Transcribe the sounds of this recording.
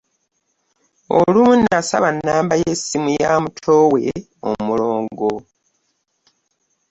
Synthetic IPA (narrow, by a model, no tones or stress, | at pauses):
o̰lunasa̰βanːaːmbaje̞simujaːmutʰowe̞ | o̰muloːŋɡo̞